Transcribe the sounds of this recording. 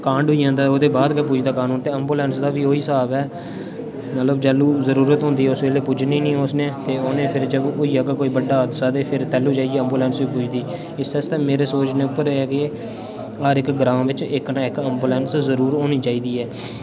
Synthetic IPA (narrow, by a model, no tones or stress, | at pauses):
kãːɳɖʊiːãːnd̪aːoːd̪eːbaːd̪kəp̬uːd͡ʒd̪aːkaːnũːnt̪eːəmbuːlɛ̃ːnsd̪aːʋiːoːiːsaːbɛː | mət̪ləbd͡ʒɛːluːzəɾuːɾət̪ɦʊ̃nd̪iːɛːʊsʋeːleːpʊd͡ʒniːnĩːoːsnẽːt̪eːoːnẽːpʰɪɾd͡ʒəbʊiːaːɡakoːiːbəɖaːd̪saːd̪eːpʰɪɾt̪ɛːluːd͡ʒaːieːəmbuːlɛ̃ːnsʋiːpuːd͡ʒd̪iː | ɪsɛst̪ẽːmeːɾeːsoːt͡ʃneːʊpːəɾːɡeː | ɦaːɾɪkɡɾãːmʋɪt͡ʃɪknãːɪkəmbuːlɛ̃ːnszəɾuːɾoːniːt͡ʃaːiːd̪iːɛː